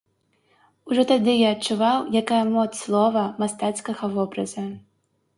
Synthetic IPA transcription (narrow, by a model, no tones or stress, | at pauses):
uʐɔt̪ad̪ɨjaɐt͡ʂːuvawjakajɐmɔt̪sslˠɔvɐmast̪at̪skɐɣɐvɔbɾɐzɐ